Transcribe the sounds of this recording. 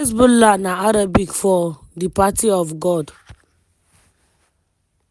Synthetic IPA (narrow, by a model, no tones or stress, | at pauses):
s̬bulanaaɾabikfɔ | dipatiɔfɡɔd